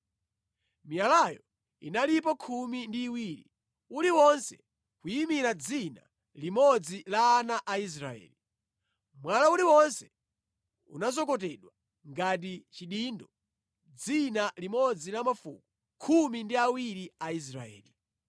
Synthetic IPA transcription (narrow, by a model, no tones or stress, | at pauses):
mijalajɔ | ḭnalip̬ɔkʰumindiːwiːɾḭ | uliwɔnsɛ̰ | kujimiɾad͡zina̰ | limɔd͡zilaːnaʔais̬ɾa̰ɛ̰ːli | mwalauliwɔnsɛ̥ | ṵnazɔkɔt̬ɛɗwa | ŋɡat̬it͡ʃiɗiːndɔ | d͡zinalimɔd͡zilamafṵku | kʰumindiawiɾiais̬ɾa̰ɛ̰ːli